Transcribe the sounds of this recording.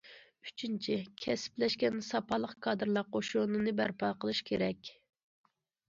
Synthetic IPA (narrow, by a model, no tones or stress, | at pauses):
yt͡ʃʰint͡ʃʰikʲʰɛsɪ̥plɛʃkʲɛnsɑpɑlˠəqkʰɑːd̪ɨɾlˠɑqoʃunɨnɨbæɾpɑːqəlˠɨʃkʲʰeɾɛkʲ